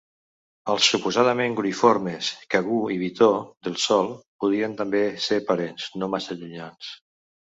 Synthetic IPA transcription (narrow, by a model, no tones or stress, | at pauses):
əlˠsːupuzaðəmeŋɡuɾnifoɾmeskaɣuiβit̪oðelˠsɔlˠpuð̞iənt̪ambeseɾpaɾenznomasaʎuɲans